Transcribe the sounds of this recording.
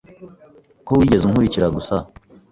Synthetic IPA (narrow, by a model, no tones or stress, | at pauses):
kowiːɟe̞zuŋ̥huɾiciɾaɡusa